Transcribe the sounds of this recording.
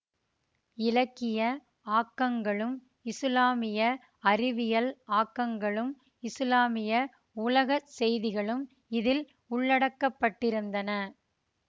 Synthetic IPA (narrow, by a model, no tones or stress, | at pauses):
ɪlɐkːɪjɐ | aːkːɐŋɡɐɭɯm | ɪslaːmɪjɐ | ɐɾɪʋɪjɐlaːkːɐŋɡɐɭɯm | ɪslaːmɪjɐ | ʊlɐɣɐsɛjðɪɣɐɭɯm | ɪðɪl | ʊɭːɐɽɐkːɐpːɐʈːɪɾɯnd̪ɐnɐ